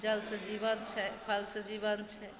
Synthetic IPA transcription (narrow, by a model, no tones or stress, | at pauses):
d͡ʒəlsəd͡ʒibənt͡ʃʰɛpʰəlsəd͡ʒiβənt͡ʃʰɛ